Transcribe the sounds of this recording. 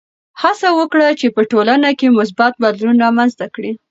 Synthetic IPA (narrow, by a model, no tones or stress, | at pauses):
hasawəkɽat͡ʃepəʈolanakemʊs̬bat̪̚bad̪lunɑmanzt̪akɽi